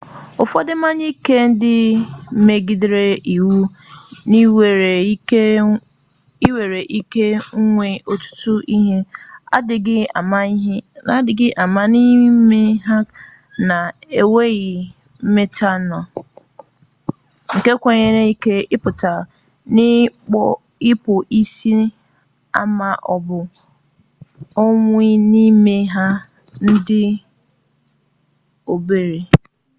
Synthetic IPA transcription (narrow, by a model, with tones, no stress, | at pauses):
ʊ˨fɔ˦dɪ˦ma˦ɲi˦ke˦n̩˦dɪ˦m̩˦me˦ɡi˦dɪ˦ɾe˦ʔi˨wu˦ni˦we˨e˨˦ | i˦we˨ɾe˨ʔi˦ke˦ŋ̩˦ŋʷe˦o˨tʊ̥˦tʊ˦ʔi˦ɦe˦a̰˦dɪ˨ɡɪ˦a̰˨ma˦ɦna˨˦dɪ˨ɡɪ˦ʔa˨ma˦ni˦me˦ɦa˦k | na˨e˨we˦ɣi˨ | m̩˦me˦tʰa˦nɔ̃˨ | ŋ̩˨ke˦kʷã˦ɲe˦nẽ˦i˦kʰe˦ɪ˦pʊ˨tʰa˨ | nɪ̃˦k͡pɔ˦ | ɪ˦pʰʊ˨ʔi˦si˦ | a̰˨mã˨ʔɔ˨bʊ˨ | ɔ˦ŋʊ̃˦i˦nĩ˦me˦ɦa˦ | n̩˦dɪ˦ | o˨be˨ɾe˨